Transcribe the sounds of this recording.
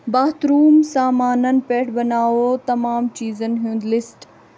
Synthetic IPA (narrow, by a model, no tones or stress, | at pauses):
baːt̪ɾuːmsaːmaːnənɪ̆peːʈʰbɐnaːʋot̪ɐmaːmt͡ɕiːzənɪɦijũːnd̪lɪsʈ